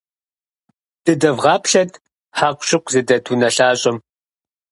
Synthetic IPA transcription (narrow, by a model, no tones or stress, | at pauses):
d̥ɨdɐvʁɑːpʰɬɐtʰ | ħaːqʷʊɕɪqʷzɨdɐtʰunɐɬaːɕʼɪm